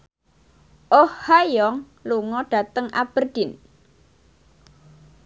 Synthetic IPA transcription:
ʔohhajɔŋ | luŋɔɖ̥a̤t̪əŋa̰b̥ərd̪̥ɪn

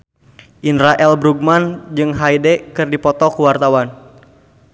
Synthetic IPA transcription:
ʔinraʔɛlbɾuɡ̚mand͡ʒɨŋɦajdɛkɨrdipɔt̪ɔkuwart̪awan

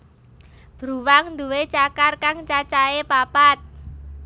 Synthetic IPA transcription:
b̥ɾuwaŋnd̪uwet͡ʃakarkaŋt͡ʃat͡ʃaepapat̪̚

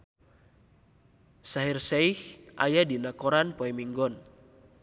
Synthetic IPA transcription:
saɦirsɛihʔa̰jadinakɔɾanpɔɛmiŋɡɔn

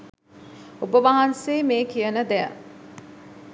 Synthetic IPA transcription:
obəʋaɦanseːmeːkijənəd̪ɛjə̰

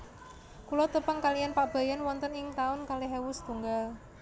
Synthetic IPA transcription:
kulɔt̪əpəŋkalijanpaʔb̥a̤janwɔnt̪ənɪŋt̪aʊnkaleɦɛwʊst̪uŋɡal

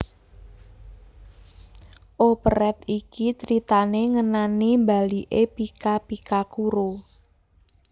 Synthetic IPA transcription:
ʔopəɾɛt̪ikit͡ʃəɾit̪aneŋənanimba̤liʔepikapikakuɾo

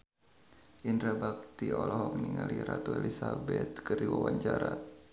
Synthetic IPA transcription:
ʔindɾabak̚t̪iɔlɔɦɔk̚niŋaliɾat̪uelisabɛt̪̚kərdiwawaɲt͡ʃaɾat̪̚

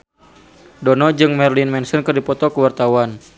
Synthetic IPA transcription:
dɔnɔd͡ʒɨŋmɛrlinmɛnsɔnkɨrdipɔt̪ɔkəwart̪awan

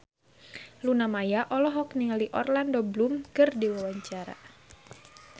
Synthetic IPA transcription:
lunamajaʔɔlɔɦɔk̚niŋaliʔɔ̰rlandoblumkɨrdiwawaɲt͡ʃaɾa̰

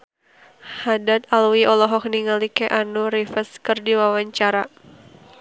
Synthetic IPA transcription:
hadat̪̚alwiɔlɔɦɔk̚niŋalikɛʔanuɾifəskɨrdiwawaɲt͡ʃaɾa

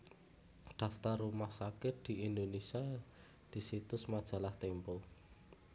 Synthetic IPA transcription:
ɖ̪̥ä̤ft̪arːumahsakɪt̪̚d̪̥i̤ind̪onesia | d̪̥i̤sit̪ʊsmad̥ʒ̥a̤laht̪empɔ

